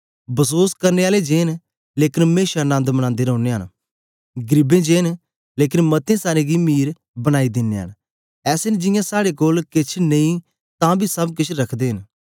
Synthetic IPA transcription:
bəsoːskəɾneːaːled͡ʒeːn | leːkɪnmeːʃanə̃nd̪məɽ̃ãːnd̪eːɾəʊneːɦən | ɡɾɪbẽːd͡ʒeːn | leːkɪnmɐt̪ẽsaːɾẽːɡimiːɾ | bəɽ̃aːid̪ɪnːḛːɦə̰n | ɛːsend͡ʒɪjãsaːɽekoːlkɪt͡ʃʰneĩ | t̪ãːbʱiːsɐbkɪt͡ʃʰɾɐkʰd̪eːɦɪn

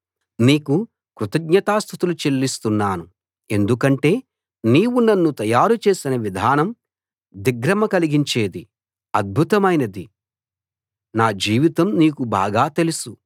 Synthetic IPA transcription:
niːku | kɾut̪ɐɡ̚ɲɐt̪aːst̪ʰut̪ulut͡ʃe̞lːist̪unːaːnu | e̞nd̪ukɐɳʈe̞ː | niːwunɐnːut̪ɐjaːɾut͡ʃe̞ːsinɐʋid̪ʱaːnɐm | d̪iɡɾɐmɐkɐliɡiɲt͡ʃe̞ːd̪i | ɐd̪̚bʱut̪ɐmɐjnɐd̪i | naːd͡ʒiːʋit̪ɐmniːkuba̰ːɡaːt̪e̞lusu

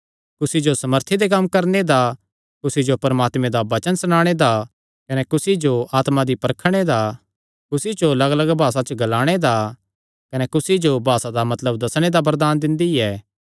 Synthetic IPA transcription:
kʊsid͡ʒosɐməɾt̪ʰid̪ekɐmːkɐɾned̪a | kʊsid͡ʒopɐɾəmaːt̪mẽd̪aʋɐt͡ʃənsɽ̃ãːɽ̃ed̪a | kɐnɛkʊsid͡ʒoaːt̪mãd̪ipɐɾkʰɽ̃ed̪a | kʊsit͡ʃoɐlɐɡələɡbʱaːsat͡ʃəɡɐlaːɽ̃ed̪a | kɐnɛkʊsid͡ʒobʱaːsad̪amɐt̪ləbd̪ɐsɽ̃ed̪abɐɾd̪aːnd̪ɪ̃nd̪iɛː

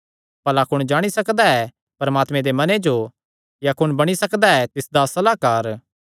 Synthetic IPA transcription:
pɐlakʊɽ̃d͡ʒaːɽ̃isɐkd̪aɛ | pɐɾɐmaːt̪mẽd̪emɐned͡ʒo | jakʊnbɐɽ̃isɐkd̪aɛt̪ɪsd̪asɐlaːkaːɾ

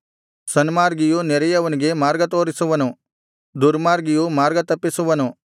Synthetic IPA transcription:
sɐnmaːɾɡijunɛɾɐjɐʋɐniɡe̞maːɾɡɐt̪o̞ːɾisuʋɐnu | d̪uɾmaːɾɡijumaːɾɡɐt̪ɐpːisuʋɐnu

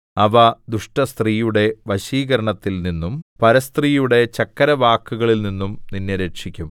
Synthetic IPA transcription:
ɐʋɐd̪uʂʈɐst̪riːjuɽe̞ʋɐɕiːɣɐɾɐɳɐt̪ːilninːumpɐɾɐst̪riːjuɽe̞t͡ɕɐkːɐɾɐʋaːkːuɣɐɭilninːumninːeɾekʂikʲːum

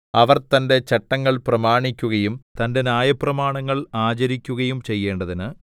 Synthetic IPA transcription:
ɐʋɐrt̪ɐnde̞t͡ɕɐʈːɐŋːɐɭprɐmaːɳikʲːuɣɐjumt̪ɐnde̞naːjɐpːrɐmaːɳɐŋːɐɭaːt͡ɕɐɾikʲːuɣɐjumt͡ɕejːe̞ːɳɖɐðinɨ

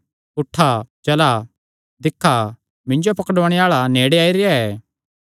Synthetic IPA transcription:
ʊʈʰːat͡ʃɐla | d̪ɪkʰːa | mɪ̃ɲd͡ʒopɐkɖoːɽ̃ɛaːɭaneːɽeaːiɾɪjaɛː

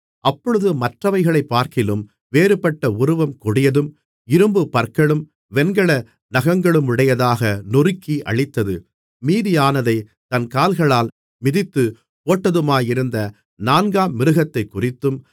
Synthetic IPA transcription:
ʔɐpːɔɻɯðɯmɐʈrɐʋɐɪɣɐɭɐɪpːaːɾkɪlɯm | ʋeːɾɯpɐʈːɐʊɾɯʋɐmkʊɽɪjɐðɯm | ɪɾɯmbɯpɐɾkɐɭɯm | ʋɛnɡɐɭɐ | nɐɣɐŋɡɐɭɯmɪɽɐjɐðaːɣɐnɔrɪkːiʔɐ̰ɭɪt̪ːɐðɯ | miːðɪjaːnɐðɐɪ | t̪ɐnkaːlɣɐɭaːl | mɪðɪt̪ːɯ | poːʈːɐðɯmaːjɪɾɯnd̪ɐ | naːnɡaːmɪɾɯɣɐt̪ːɐɪkːʊrɪt̪ːɯm

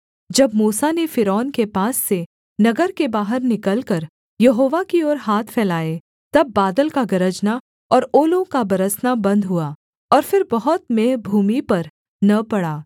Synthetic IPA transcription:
d͡ʒɐbmuːsanefɪɾɔːnkepaːsːe | nɐɡəɾkebaːɦəɾnɪkəlkɐɾ | jɐɦoːʋakiɔːɾɦaːt̪ʰfʰɛːlaːe | t̪ɐbːaːd̪əlkaɡɐɾəd͡ʒna | ɔːɾoːlõkabɐɾəsnabɐ̃nd̪ɦuaː | ɔːɾfɪɾbɐɦʊt̪̚meːɦbʱuːmipɐɾ | nɐpɐɽaː

